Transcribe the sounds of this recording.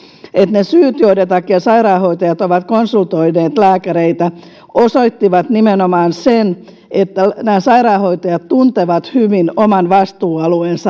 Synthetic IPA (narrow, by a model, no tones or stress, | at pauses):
et̪nesyːt̪joidet̪ːɑkːeɑsɑirɑːhoit̪ɑjɑt̪oʋɑt̪konsult̪oineːt̪læːkæɾeit̪æ | ʔosoit̪ːiʋɑt̪nimenomɑːnsen | et̪ːænæːsɑirɑːhoit̪ɑjɑt̪t̪unt̪eʋɑt̪hyʋinomɑnʋɑst̪uːɑlueːnsɑ